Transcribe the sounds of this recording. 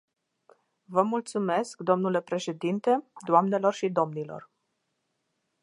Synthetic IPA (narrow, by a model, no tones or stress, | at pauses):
vəmult̪sume̞skd̪o̞mnule̞pɾe̞ʃe̞d̪int̪e̞d̪oamne̞lo̞rʃid̪o̞mnilo̞̰r